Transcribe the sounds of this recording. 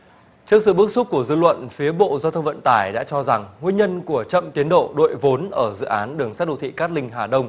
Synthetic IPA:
t͡ɕɨ˦˥ək̚sɨ̰˧˨ɓɨ˦˥ək̚su˦˥p̚ku˧˩əzɨ˧lwə̰˧˨nfi˨˦əɓo̰˧˨zaː˧wt̪ʰə˧wŋ͡mvə̰˧˨nt̪aː˧˩jɗa̰ː˧˥t͡ɕɔ˧za˨˩ŋŋwi˧ənɲə˧nku˧˩ət͡ɕə̰˧˨mt̪i˨˦ənɗo̰˧˨ɗo̰˧˨jvo˨˦nʔəː˧˩zɨ̰˧˨ʔaː˨˦nɗɨ˨˩əŋsaː˦˥t̚ɗo̰˧˨t̪ʰḭ˧˨kaː˦˥t̚lï˧ŋ̟ɦaː˨˩ɗə˧wŋ͡m

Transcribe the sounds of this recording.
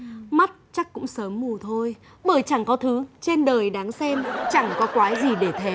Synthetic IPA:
ma˦˥t̚t͡ɕa˦˥kːʊ̰˧˥ŋ͡msəː˨˦mːu˨˩t̪ʰo˧j | ɓəː˧˩jt͡ɕa˧˩ŋkɔ˨˦t̪ʰɨ˨˦t͡ɕe˧nɗəː˨˩jɗaː˨˦ŋsɛ˧mt͡ɕa˧˩ŋkɔ˨˦kwaː˨˦jzi˨˩ɗe˧˩t̪ʰe˨˦

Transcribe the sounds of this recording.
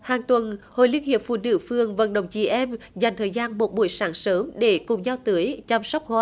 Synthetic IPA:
haː˨˩ŋt̪wə˨˩nho̰˧˨jli˧ənhi˨˩əp̚fṵ˧˩nɨ̰˧˩fɨ˨˩əŋvə̰˧˩nɗə̰˧˩wŋ͡mt͡ɕi˧˩ʔɛ˧mza˨˩ŋ̟t̪ʰəː˨˩jzaː˧nmo˨˩t̚ɓu˧˩əjsaː˨˦nsəː˨˦mɗe˧˩kʊ˨˩ŋ͡mzaː˧wt̪ɨ˨˦əjt͡ɕa˧wŋ͡msa˦˥wk͡p̚haː˨˦˩

